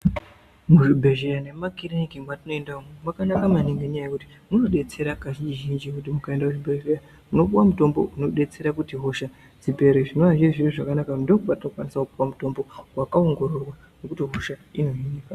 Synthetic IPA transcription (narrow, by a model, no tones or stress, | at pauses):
muʐibʱe̞ʒeane̞makiɾenikimwatino̞endaumemwakanakamaniŋɡeɲajajekuti̥ | muno̞ɗe̞t͡se̞ɾakaʒid͡ʒiʒind͡ʒikutimukae̞ndakuʐibʱe̞ʒeja | muno̞puwamuto̞mbo̰uno̞ɗe̞t͡se̞ɾakutiɦo̞ʃa | d͡zipe̞ɾeʐino̞aʒiʐiriʐakanakandokupatino̞kwanisakuɓuwamuto̞mbo̞wakao̞ŋɡo̞ɾo̞rwa | ne̞kutiɦo̞ʃaino̞inika